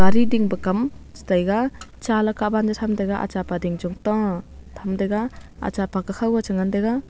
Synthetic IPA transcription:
ɡaɾidiŋbakamstajɡat͡ʃalakaband͡ʒatʰamdajɡaʔa̰t͡ʃapadiŋd͡ʒɔŋtɔtʰamdajɡaa̰t͡ʃapakakʰawat͡ʃɯŋandajɡa

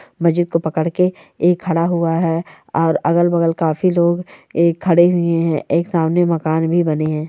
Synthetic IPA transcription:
mɐzɪd̪̚kopɐkəɽkeː | kʰːɐɽaɦʊaɦɛː | ɔːɾɐɡəlbɐɡəlkaːfiloːɡeːkʰːɐɽeɦʊeɦɛ̃ʔeːksaːmnemɐkaːnbʱibɐneɦɛ̃ː

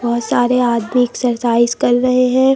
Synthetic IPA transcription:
bɔɦʊt̪saːɾeaːd̪miksɐɾsaːɪskɐɾːɐɦeɦɛ̃ː

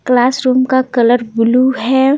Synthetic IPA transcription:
klaːsɾuːmkakɐləɾbʊluɦɛ

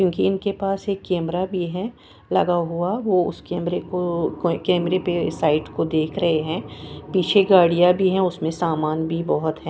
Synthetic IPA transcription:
kjõːkiɪnkepaːseːkːɛːmɾabʱiɦɛ̃ | lɐ̰ɡaɦʊaʋoʊ̰skɛːmɾekokɛːmɾepesaːɪʈkod̪eːkʰɾɐɦeɦɛ̃ːpiːt͡ʃʰeɡaːɽijabʱiɦɛ̃ʊsmẽsaːmaːnbʱibɐɦʊt̪ɦɛ̃ː

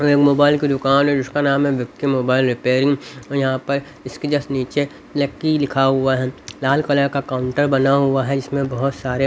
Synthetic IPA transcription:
eːkmoːbaːɪlkid̪ʊkaːnɔɾʊskanaːmɦɛʋɪkʈ̪kemoːbaːɪlɾɪpeːɾɪ̃ŋɡɔːjɐɦãpɐɾ | ɪsked͡ʒɐsniːt͡ʃe | lɐkːilɪkʰaɦʊaɦɛlaːlkɐləkakaːʊ̃ɳʈəɾbɐnaɦʊaɦɛd͡ʒɪsmẽbɐɦʊt̪saːɾe

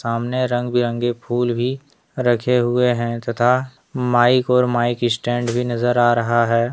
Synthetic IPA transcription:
aːmneɾɐ̃ŋɡbʱiɾə̃ŋɡepʰuːlbʱi | ɾɐkʰeɦʊeɦɛ̃t̪ɐt̪ʰa | maːɪkɔːɾmaːɪkɪsʈɛ̃ːɳɖbʱinɐzəɾaːɾɐɦaɦɛː

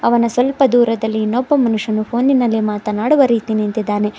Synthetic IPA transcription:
ɐʋɐnɐsʋɐlpɐd̪uːɾɐd̪ɐlːinɔbːɐmɐnuʂɐnupʰo̞ːnːinːɐlːimaːt̪ɐnaːɽuʋɐɾiːt̪inint̪id̪ːaːne̞

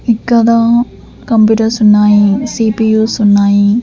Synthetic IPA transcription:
ikːɐd̪a | kɐmpjuːʈɐɾsunːaːjisiːpijuːsunːaːji

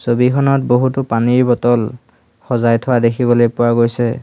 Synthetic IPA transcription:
sobikʰɔnɔt̚boɦutʊpaniɹbɔtɔl | xɔzajtʰɔwadekʰibɔlojpʊwaɡojsɛ

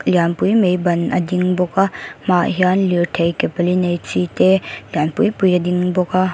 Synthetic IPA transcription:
ljanpujmejbɐnɐdiŋbɔkamaɦjanliɾtʰejkepɐlinɐjt͡ʃitelijanpujpujɐdiŋbɔka

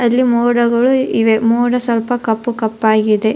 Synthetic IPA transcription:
ɐlːimoːɽɐɡɐɭuiʋemoːɽɐsɐlpɐkɐpːukɐpːaːɡid̪e̞

